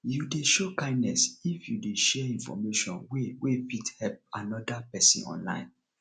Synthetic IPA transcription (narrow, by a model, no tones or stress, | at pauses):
judeʃokãɪ̃ndnɛsifjudeʃɛĩnfɔ̰meʃɔ̰̃nwewefithɛp̚a̰nɔdapɛsḭ̃nɔ̰̃nlã̰ɪ̃n